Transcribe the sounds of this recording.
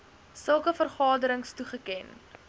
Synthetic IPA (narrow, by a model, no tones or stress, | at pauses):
səlˠkəfərχɑːdəɾəŋstuχəkɛn